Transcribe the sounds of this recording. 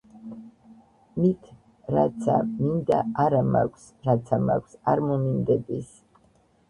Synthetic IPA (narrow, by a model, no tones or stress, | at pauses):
mit̪ʰ | ɾat̪sʰa̰mind̪aaɾama̰kʷʰs | ɾat̪sʰama̰kʷʰsaɾmɔmind̪ɛb̪is